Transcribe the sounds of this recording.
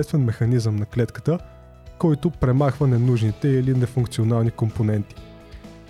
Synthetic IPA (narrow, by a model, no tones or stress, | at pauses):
ɛst̪vɛnmɛxɐnizəmnɐklɛt̪kə̥t̪ə | kɔjt̪ʊpɾɛmaxvənɛnuʒnit̪ɛilinɛfuŋk̚t̪sionalˠnikomponɛnt̪i̥